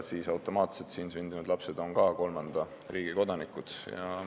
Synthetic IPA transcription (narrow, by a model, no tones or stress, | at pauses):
siːsɑwt̪ˑo̞mɑːt̪se̞lt̪synsynd̪inud̪lɑpse̞d̪̥o̞nkɑːko̞lmɑnd̪̥ɑ | riːɡ̥iko̞d̪ɑnikːˑut̪sjɑ̰